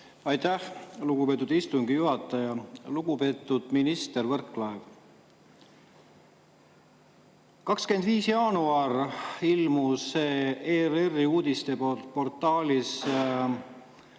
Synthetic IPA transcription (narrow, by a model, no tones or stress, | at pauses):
ɑjt̪æhluɡ̥upe̞ːt̪ːˑud̪ist̪uŋɡijuɦɑt̪ˑːɑjɑluɡ̥upe̞ːt̪ːˑud̪̥minist̪ervɤrkːˑlɑev | kɑkskend̪viːsjɑːnuɑrilmuse̞ːererːiuːd̪̥ist̪e̞ppo̞rt̪ːˑɑːlʲis